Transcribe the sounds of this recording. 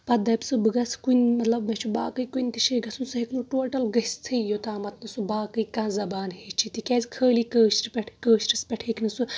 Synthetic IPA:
pɐd̪ɐpʲsɨbɨɡɐskunʲmɐt̪lɐbmet͡ʃʰuba̰ːkɨjkunʲt̪iʃiɡɐsunsɨɦeknuʈoːʈɐlɡɐst̪ʰɨjot̪aːmɐt̪̚ʰnɨsubaːkɨjkãːzɐbaːnɦeːt͡ʃʰit̪ikʲaːzkʰəːliːkəːʃʈpʲeʈʰkəːʃʈɨspʲeʈʰeːknɨsu

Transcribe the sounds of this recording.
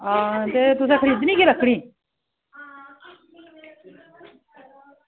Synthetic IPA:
at̪et̪ʊs̬ãːkʰəɾiːd̪nĩːkeɾəkʰːɽiː

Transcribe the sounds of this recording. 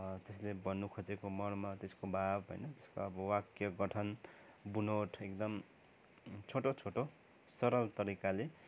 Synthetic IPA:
t̪eslebʌnːukʰʌt͡sekomʌnmat̪eskobʱabɦo̰jnʌt̪eskoʌbʌwakjʌɡʌʈʰʌn | bunoʈʰek̚d̪ʌm | t͡sʰoʈot͡sʰoʈo | sʌɾʌlt̪ʌɾikale

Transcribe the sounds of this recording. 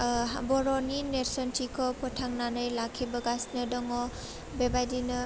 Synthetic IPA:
abɔɾɔnineɾsɔntikʰɔpɔtʰaŋnanɯjlakʰibaɡasnɯdɔŋɔ | bebajdinɯ

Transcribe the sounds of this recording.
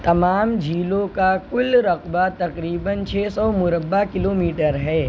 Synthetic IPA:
t̪ɐmaːmd͡ʒʱiːlõkakʊlɾɐqbat̪ɐqɾiːbənt͡ʃʰeːsɔːmʊɾəbːakɪloːmiːʈəɾɦɛː

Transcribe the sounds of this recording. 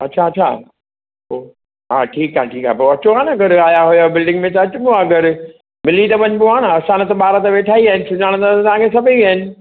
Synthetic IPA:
ɐtːt͡ɕʰaɐt͡ɕʰa̰ | oː | ɦa̰ːʈʰiːkaːɦʈʰiːkaːpɐɾɐt͡ɕoaːnɐɐɡɐɾaːjaɦʊjabɪlɖɪ̃ŋɡmẽt̪̬ɐɐt͡ɕʊbuaːɡɐɾ | mɪlːit̪ɐʋɐɲbʊaːɽ̃ɐsaːnət̪ɐɓaːɾat̪ɐʋeːʈʰaːiaːɦɪnɪsʊd͡ʑaːɽ̃d̪at̪ɐt̪ɐʋ̤ãːkʰesɐbiʋiaːɪnɪ̆

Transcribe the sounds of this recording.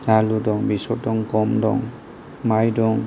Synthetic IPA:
aludɔŋbisɔdɔŋkɔmdɔ̰ŋ | majdɔŋ

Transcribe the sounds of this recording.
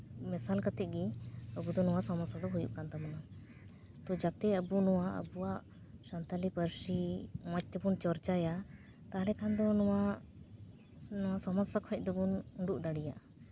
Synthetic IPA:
mɛsalkat̪ɛt̪̚ɡiəbud̪ɔnɔwaʔsɔmɔsad̪ɔɦujṵʔkant̪amɔna | t̪ɔd͡ʒat̪ɛəbunɔwaʔə̰buwaʔ | sant̪alipəɾsimɔc̚ˀt̪ɛbunt͡ʃɔɾt͡ʃaja | t̪aɦlɛkʰand̪ɔnɔwa | nɔwasɔmɔsakʰɔɛc̚d̪ɔbunuɳɖuʔd̪aɽija̰ʔ

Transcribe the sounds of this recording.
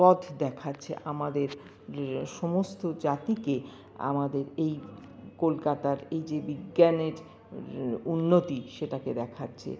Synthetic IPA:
pɔd̪ʱd̪ɛkʰatːɕʰḛʔamad̪eɾ | ʃɔmost̪od͡ʑat̪ike | a̰mad̪eɾej | kolkat̪aɾejd͡ʑebiɡːaneɾ | unːot̪iʃeʈaked̪ɛkʰatːɕʰḛ

